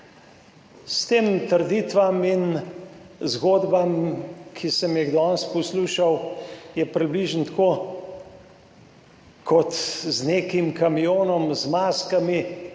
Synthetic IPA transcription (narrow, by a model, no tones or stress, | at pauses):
st̪eːmt̪əɾd̪it̪ʋamin | zɡoːd̪bamkʰisəmjɛɣd̪ɔːnst̪̚pɔsluːʃawjɛpɾibliːʒənt̪ko | kʰɔt̪zneːkimkamijoːnɔmzmaːskami